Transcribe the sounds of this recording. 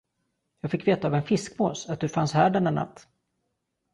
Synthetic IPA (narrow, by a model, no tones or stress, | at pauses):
jɑːɡfɪkːveːt̪aːvɛnfɪskmo̰ːsat̪̚d̪ɵfanshæːɖɛɳːaɳːa̰t̪ː